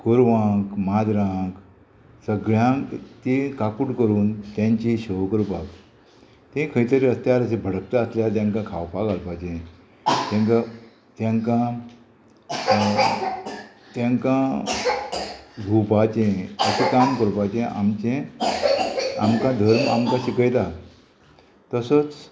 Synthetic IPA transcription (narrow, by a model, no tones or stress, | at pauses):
kəɾʋãkmad̪ɾãk | səɡɭjãŋkt̪ikakuɽkəɾuːnt̪jãɲt͡ɕiɕəʋkəɾpak | t̪ẽkʰəjt̪əɾiəst̪jaɾəs̬ẽbʱəɽək̚t̪aəsljat̪jãŋkãkʰawpakalpat͡ɕẽ | t̪ãŋka | t̪jãŋkã | t̪jãŋkã | ɡʱupat͡ɕẽəsikamkəɾpat͡ɕẽʔa̰mt͡ɕẽ | amkãd̪ʱəɾmamkãɕikəjt̪a | t̪əsət͡s